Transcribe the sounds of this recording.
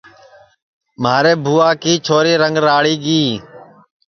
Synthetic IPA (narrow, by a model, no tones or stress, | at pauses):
maːɾeːbʱuːaːkiːt͡ʃʰoːɾiːɾəŋɡɾaːɽiːɡiː